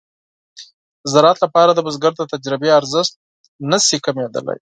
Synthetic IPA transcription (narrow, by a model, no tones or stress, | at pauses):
zaɾɑt̪lapɑɾad̪əbʊzɡaɾət̪ad͡ʒɾɪbeaɾzəst̪̚ | nəsikamed̪ə̰la̰j